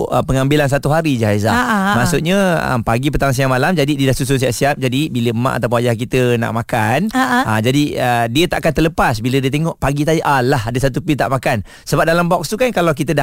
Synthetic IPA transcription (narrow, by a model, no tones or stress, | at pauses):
ə̰pəŋambilans̬at̪uɦaɾid͡ʒaɦajzamasuʔɲə̃ə̰paɡip̬ət̪aŋs̬iaŋmalamd͡ʒadidiədahsus̬ʊns̬iaʔsiap̚d͡ʒadibiləəmã̰ʔat̪awpunwad͡ʒahkit̪əna̰ʔmakanaad͡ʒadiədiət̪aʔakant̪ərləpasbilədiət̪eŋɔʔpaɡit̪̬aiʔalːaɦadəsat̪̬upit̪a̰ʔmakan | səbap̚dalambɔk̚st̪ukankalawk̬it̪əda